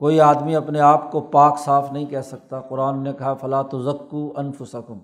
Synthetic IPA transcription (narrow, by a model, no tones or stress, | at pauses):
koːiaːd̪miɐpneaːpkopaːksaːfnɐɦĩkɛɦsɐk̚t̪aqʊɾaːnːekɐɦafɐlaːt̪ʊzɐkːuːɐnfʊsɐkʊm